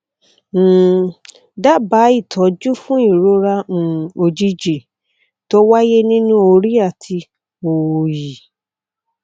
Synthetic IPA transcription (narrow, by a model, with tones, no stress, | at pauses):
da˦ba˨˦i˦˨tʰɔ˨˦d͡ʒu˦fũ˦i˦˨ɾo˦ɾã˧˨o˧d͡ʒi˧d͡ʒe˨ | to˧˦wa˦je˦nĩ˦nũ˦o˧ɾi˦a˦˨tʰi˧ | o˨ji˨